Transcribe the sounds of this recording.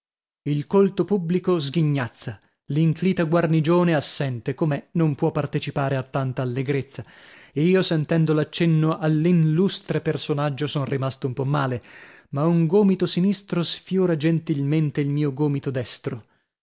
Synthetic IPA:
ilkolt̪opubːlikozɡiɲːat̪sːa | liŋkliːt̪aɡwarnid͡ʒoːneasːɛnt̪ekomɛnompwɔpːart̪et͡ʃipaːɾeat̪ːant̪aːlːeɡɾet̪sːaeiːosent̪ɛnd̪olat͡ʃːɛnːoʔalːinlust̪ɾepersonad͡ʒːosɔnrimast̪oumpɔmːaːlemauŋɡoːmit̪osinist̪ɾosfjoːɾad͡ʒent̪ilment̪eilmiːoɡoːmit̪od̪ɛst̪ɾo

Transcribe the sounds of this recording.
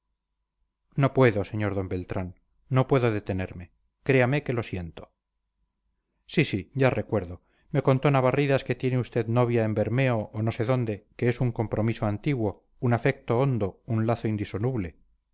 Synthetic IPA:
no̞pwe̞ðo̞se̞ɲo̞ɾðo̞mbe̞lt̪ɾanː | o̞pwe̞ðoðe̞t̪e̞neɾme̞ | kɾe̞ameke̞lo̞sje̞nt̪o | sisiɟ͡ʝarʔe̞kwe̞ɾðo̞ | me̞ko̞nt̪o̞naβariðaske̞t̪je̞neust̪e̞ðno̞β̞jaembe̞ɾme̞oʔːno̞se̞ðo̞nd̪e̞keesuŋko̞mpɾʔo̞misoant̪iɣwo̞ | unafe̞k̚t̪o̞ond̪ounlaθoind̪iso̞nuβle̞

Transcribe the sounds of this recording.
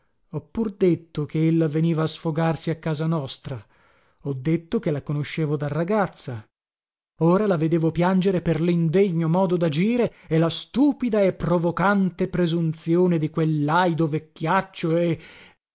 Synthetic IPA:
ɔpːurd̪et̪ːok̟eelːaveniːvaːsfoɡarsiakːaːzanɔst̪ɾa | ɔd̪ːet̪ːokelakonoʃːeːvod̪arːaɡat̪sːa | oːɾalaved̪eːvopjand͡ʒeɾeperlind̪eɲːomɔːd̪od̪ad͡ʒiːɾeelast̪uːpid̪aepːɾovokant̪epɾezunt̪sjoːned̪ikwelːajd̪ovekʲːjat͡ʃːoe

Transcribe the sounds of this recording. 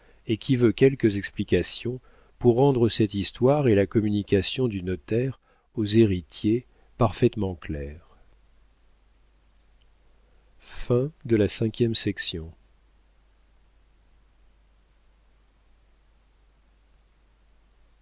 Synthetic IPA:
ekʲivøkʲɛlkəzɛksplikʲasjɔ̃ | puʁːɑ̃d̪ʁəsɛt̪ist̪waʁelakɔmynikʲasjɔ̃d̪ynɔt̪ɛʁ | ozeʁit̪je | paʁfɛt̪mɑ̃klɛʁ | fɛ̃d̪əlasɛ̃kʲjɛmsɛksjɔ̃

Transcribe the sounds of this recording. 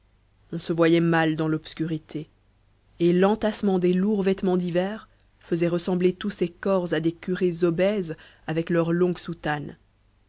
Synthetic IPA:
ɔ̃səvwajɛmald̪ɑ̃lɔpskʲyʁit̪ʰeː | lɑ̃t̪asmɑ̃d̪eluʁvɛt̪mɑ̃d̪ivɛːʁ | fəzɛʁəsɑ̃blet̪usekɔʁzad̪ekʲyʁezɔbɛz | avɛklœʁlɔ̃ɡsut̪an

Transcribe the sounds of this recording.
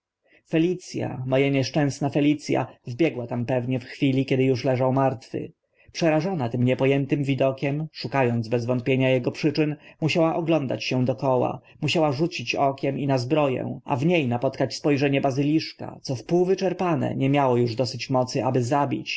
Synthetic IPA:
fɛlʲit̪sʲja̰mɔjaɲɛʂt͡ʂɛ̃w̃snafɛlʲit̪sʲja̰vbʲjɛɡwat̪ampɛvɲɛfxfʲilʲikʲɛd̪ɘjuʂlɛʐawmaɾt̪fɘ̰ | pʂɛɾaʐɔnat̪ɘmɲɛpɔjɛnt̪ɘmvʲid̪ɔkʲɛmʂukajɔnd̪zbɛzvɔnt̪̚pʲjeɲajɛɡɔpʂɘt͡ʂɘnmuɕawaʔɔɡlɔnd̪a̰t͡ɕɕɛ̃d̪ɔkɔwa̰ | muɕawaʐut͡ɕit͡ɕɔkʲɛminazbɾɔjɛ̰̃ʔa̰vɲejnapɔt̪kat͡ɕspɔjʐɛɲɛbazɘlʲiʂka̰t̪sɔfpuwvɘt͡ʂɛɾpanɛ̰ɲɛmʲjawɔjuʐd̪ɔsɘt͡ɕmɔt̪sɘʔabɘzabʲḭt͡ɕ

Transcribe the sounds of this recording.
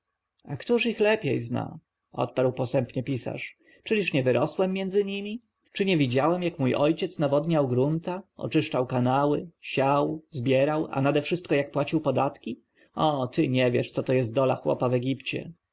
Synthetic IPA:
akt̪uʂixlɛpʲjejzna̰ | ɔ̰t̪̚paɾwpɔsɛmpɲɛpʲisa̰ʂ | t͡ʂɘlʲiʂɲɛvɘɾɔswɛmʲːjɛnd̪zɘɲimʲi | t͡ʂɘɲɛvʲid͡ʑawɛmjakmujʔɔjt͡ɕɛt̪snavɔd̪ɲawɡɾunt̪aʔɔ̰t͡ʂɘʂt͡ʂawkanawɘɕawzbʲjɛɾawa̰nad̪ɛfʂɘst̪̚kɔjak̚pwat͡ɕiwpɔd̪at̪kʲi | ɔt̪ɘɲɛvʲjɛʂt̪sɔt̪ɔjɛst̪̚d̪ɔlaxwɔ̰pavɛɡʲipt͡ɕɛ̰

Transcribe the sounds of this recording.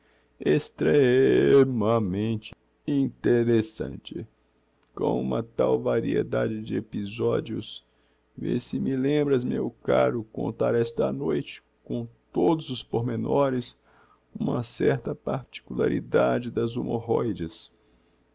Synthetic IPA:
est̪ɾe | mɐmẽnt͡ʃɪ̥ | ĩt̪eɾesɐ̰̃nt͡ʃɪ | kõ̰w̃ũmɐt̪awvaɾiḛd̪ad͡ʒɪd͡ʒɪepizɔd͡ʒiʊs | vḛsɪmɪlẽmbɾɐzmewkaɾʊkõ̰nt̪aɾɛst̪ɐnojt͡ʃɪ̥ | kõw̃t̪od̪ʊzʊspoɾmenɔɾɪs | ũmɐsɛɾt̪ɐpaɾt͡ʃi̥kula̰ɾḭd̪ad͡ʒɪd̪ɐzumoɦɔjd͡ʒɐs

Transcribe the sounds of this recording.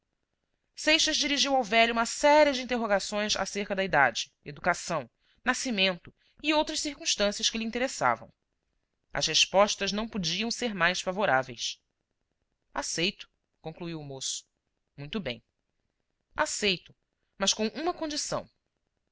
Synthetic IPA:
sejʃɐzd͡ʒiɾiʒiwawvɛʎuũmɐsɛɾiɐd͡ʒɪĩnt̪eɦoɡasõj̃za̰seɾkɐd̪ɐid̪ad͡ʒɪ | ed̪ukasɐ̃w̃ | nasimẽnt̪ʊ | iowt̪ɾɐʃsiɾkũʃt̪ɐ̃siɐsʃkɪlĩnt̪eɾesa̰vɐ̰̃w̃ | ɐ̰sheʃpɔʃt̪ɐznɐ̃w̃pod͡ʒiɐ̃w̃seɾmajsfavoɾavejs | asejt̪ʊ̥ | kõŋkluiwʊmosʊ̥ | mũj̃t̪ʊbḛ̃j̃ | a̰sejt̪ʊ | mɐskõw̃ʔũmɐkõnd͡ʒisɐ̰̃w̃

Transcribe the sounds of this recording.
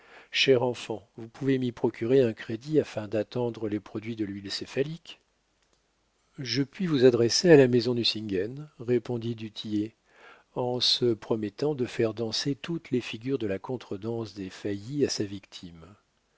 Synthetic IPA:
ʃɛʁɑ̃fɑ̃vupuvemipχɔkʲyʁeɛ̃kχed̪iafɛ̃d̪at̪ɑ̃d̪ʁəlepχɔd̪ɥid̪əlɥilsefalik | ʒəpɥivuzad̪ʁɛsealamezɔ̃d̪ysĩŋɡɛnʁepɔ̃d̪id̪yt̪ʰije | ɑ̃səpχɔmɛt̪ɑ̃d̪əfɛʁd̪ɑ̃set̪ut̪lefiɡʲyʁd̪əlakɔ̃t̪χəd̪ɑ̃sd̪efajiasavikt̪ʰim

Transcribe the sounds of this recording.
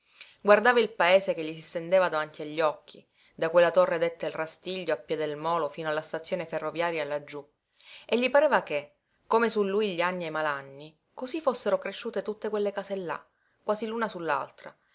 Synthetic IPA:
ɡward̪aːvailpaeːsekeʎːisist̪end̪eːvad̪avant̪iaʎːɔkʰːi | d̪akwelːat̪orːed̪et̪ːailrast̪iʎːoapːjɛd̪elmɔːlofiːnoalːast̪at̪sːjoːneferːovjaːɾjaːlːad͡ʒːu | eʎːipaɾeːvake | komesulːujʎianːiemalanːi | kozifosːeɾokɾeʃːuːt̪et̪ut̪ːekwelːekaːselːa̰ | kːwaːzilunasulːa̰lt̪ɾa̰

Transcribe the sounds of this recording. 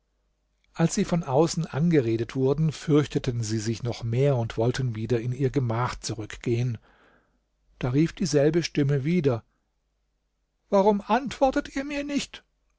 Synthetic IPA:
ʔalsz̥iːfɔnʔaʊsn̩ʔa̰nɡəʁeːdətv̥ʊɐdn̩fʏɐçtətən̩ziːzɪçnɔχmeːɐʊntv̥ɔltʰən̩viːdɐɪniːɐɡəmaːχt͡suʁʏkɡ̥eːən | d̥aːʁiːfd̥iːzɛlbəʃtɪməviːdɐ | vaʁʊmʔantv̥ɔɐtətiːɐmiːɐnɪçt

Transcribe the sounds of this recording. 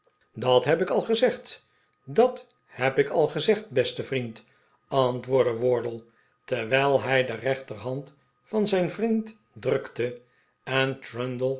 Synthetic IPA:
dɑtɦɛpɪkɑlˠχəzɛχt | dɑt | hɛpɪkɑlˠχəzɛχt̚bɛstəvrint | ɑntʋʊːɹdəʋɔɹdəl̩ˠ | tɛɹʋɛjlˠɦɛjdərɛχtərɦɑnt | fɑnzɛjnvrint | drɵktə | ɛntɹœndəlˠ

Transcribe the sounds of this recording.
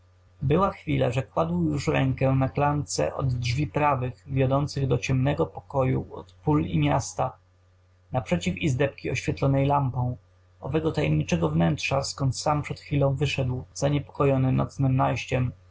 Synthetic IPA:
bɘwaxfʲila̰ʐɛkwad̪wjuʂɾɛŋkɛnaklant̪sɛ̰ʔɔ̰d̪ʐvʲipɾavɘɣvʲjɔd̪ɔnt̪sɘɣd̪ɔt͡ɕɛmnɛɡɔpɔ̥kɔjṵɔ̰t̪pulḭmʲjast̪a | napʂɛt͡ɕifizd̪ɛp̚kʲiɔɕfʲjɛt̪lɔnɛjlampɔ̃w̃ | ɔvɛɡɔt̪ajɛmɲit͡ʂɛɡɔvnɛntʂaskɔnt̪sampʂɛt̪xfʲilɔ̃w̃vɘʂɛd̪wz̥aɲɛpɔ̥kɔjɔnɘnɔ̰t̪snɘmnajɕt͡ɕɛm

